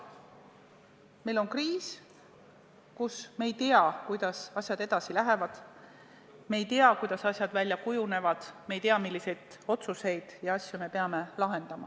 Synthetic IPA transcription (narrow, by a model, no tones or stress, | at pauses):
me̞jlo̞nkriːs | kusmeːjt̪eɑkujd̪̥ɑsɑsʲjɑd̪e̞d̪̥ɑsilæɦe̞vɑd̪̥ | mejt̪eɑkujd̪̥ɑsɑsjɑd̪̥vælʲjɑkujune̞vɑd̪̥mejt̪eɑmilːise̞jd̪̥o̞t̪suse̞jd̪̥jɑɑsʲjume̞peɑme̞lɑɦe̞nd̪ɑmɑ̰